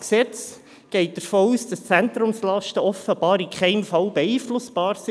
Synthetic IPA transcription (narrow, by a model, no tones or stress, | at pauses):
ksɛt͡s | ɡ̥ɛɪt̚d̥əɾfoːuːsd̥ɑst͡sæntɾʊmslɑʃtəɔfəb̥ɑːɾikʰχɛɪmfɑlbɛiːflʊsb̥ɑːɾsi